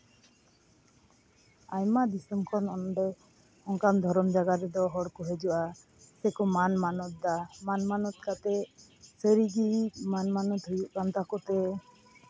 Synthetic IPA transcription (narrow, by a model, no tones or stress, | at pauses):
ajmad̪isɔmkʰɔnɔnɖɛ | ɔŋkamd̪ʱɔɾɔmd͡ʒaɡaɾɛd̪ɔɦɔɽkɔɦed͡ʒɔwa | sɛkɔmanmanɔt̪̚d̪amanmanɔt̪̚kat̪ɛsəɾiɡimanmanɔt̪ɦujuʔkant̪akɔt̪ɛ